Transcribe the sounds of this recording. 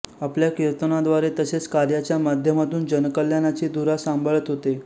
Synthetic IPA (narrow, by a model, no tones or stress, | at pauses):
apljakiɾt̪ənad̪ʋaɾet̪əset͡skaɾjat͡ɕjamad̪ʱjəmat̪ʰuːnd͡ʑənkəljanat͡ɕiːd̪uɾasambʱəɭət̪ɦot̪e